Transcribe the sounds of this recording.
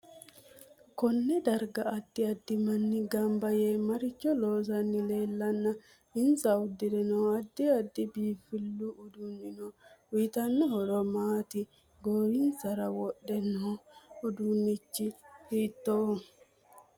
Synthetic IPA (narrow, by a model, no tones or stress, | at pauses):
kɔnːɛd̪ɐɾɡɐɐd̪ːɪɐd̪ːɪmɐnːɪɡɐmbɐjeːmɐɾɪt͡ʃːɔloːsɐnːɪle̞ːlːɐnːɐ | ɪnsɐʊd̪ːɪd̪ɛnoːɐd̪ːɪɐd̪ːɪbiːfɪlːuʊd̪unːɪnowit̪ɐnːɐhɔɾɔmaːt̪ɪ | ɡoːɾiːnsɐɾɐwɔɗːɛnoːʊd̪unːɪt͡ʃːɪhiːt̪ːoː